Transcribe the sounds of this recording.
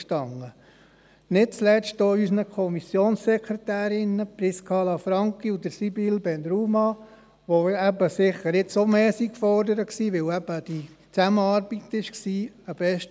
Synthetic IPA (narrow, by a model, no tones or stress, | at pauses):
ʃtɑŋːə | nɪt̚t͡slɛstdoːysnəkʰɔmisjoːnssɛkʰɾetæːɾɪnəpɾiskʰɑːlɑfɾɑŋkiud̪əɾsibilbɛndɾumɑ | ʋoæbəsɪχəɾɪtsomeːsikfɔɾdəɾəksiːʋɪlæb̥əd̥i | t͡sæməɑːɾb̥itɪʃksiː | əb̥ɛʃt